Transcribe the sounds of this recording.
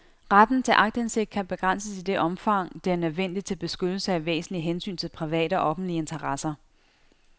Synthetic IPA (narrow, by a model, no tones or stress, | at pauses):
ʁad̥n̩t͡sʰe̝lʔɑ̈ɡ̥̚d̥ense̝ɡ̥̚d̥kʰæb̥e̝ɡ̥ʁan̰səsid̥e̝ʔɒ̽mfɑ̈ŋ̰d̥e̝æɐnøð̞ˠʋen̰d̥id̥̚t͡sʰe̝lb̥e̝sɡ̥ød̥l̩səæʋḛːsn̩liɦensy̰ːnt͡sʰe̝lpʰʁiʋɛ̰ːɾəɒ̽ʔɒ̽fn̩dliəe̝nt͡sʰɐʁɑsɐ